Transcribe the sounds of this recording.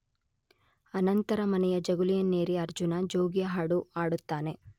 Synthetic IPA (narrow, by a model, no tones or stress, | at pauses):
ɐnɐnt̪ɐɾɐmɐnɛjɐd͡ʒɐɡulijɐnːeːɾiɐɾd͡ʒunɐd͡ʒoːɡjɐɦaːɽuaːɽut̪ːaːne̞